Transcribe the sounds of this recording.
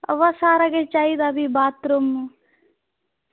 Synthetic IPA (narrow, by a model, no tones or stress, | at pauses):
ɐ̰ʋɐsaːɾɐɡet͡ʃaid̪abibaːt̪ɾum